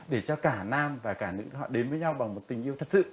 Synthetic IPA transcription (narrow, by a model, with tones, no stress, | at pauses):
ɗe˧˩t͡ɕɔ˧kaː˧˩naː˧mvaː˨˩kaː˧˩nɨ̰˧˥ɦɔ̰˧˨ɗe˨˦nvəː˨˦jɲa˧wɓa˨˩ŋmo˨˩t̚t̪ï˨˩ŋ̟ʔi˧əwt̪ʰə˨˩t̚sɨ̰˧˨